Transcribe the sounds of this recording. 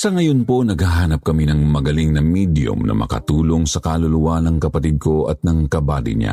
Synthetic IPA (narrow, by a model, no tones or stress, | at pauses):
sɐŋɐjonpo̞nɐɡhaɦaːnɐp̚kɐminɐŋmɐɡɐliŋnɐmid̪jʊ̰mnʔɐ̰mɐ̰kɐ̰t̪uːlo̞ŋsɐkalʊlʊwanɐŋkɐpɐt̪id̪̚kʰo̞ɐt̪̚nɐŋkɐbaːt̪ɪ̰ɲa̰